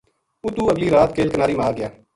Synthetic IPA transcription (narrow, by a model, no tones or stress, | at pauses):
ut̪uːəɡliːɾaːt̪keːlkənaːɾiːmaːaːɡɪjaː